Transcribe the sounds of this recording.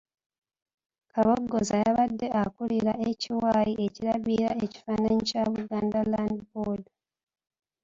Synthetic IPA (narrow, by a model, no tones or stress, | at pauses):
kaβoɡːo̞zajaβadːe̞ʔakuliɾae̞ciwajiʔe̞ciɾaβiɾaeci̥fanaɲicaβuɡaːndalandbod